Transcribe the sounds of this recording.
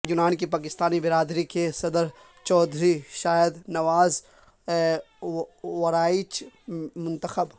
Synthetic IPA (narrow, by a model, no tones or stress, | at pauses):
jʊnaːnkipaːkɪst̪aːnibɪɾaːd̪ɾikesɐd̪əɾ | t͡ʃɔːd̪ʱɾiʃaːjəd̪nɐʋaːz | ʋɐɾaːit͡ʃmʊ̃nt̪əxəb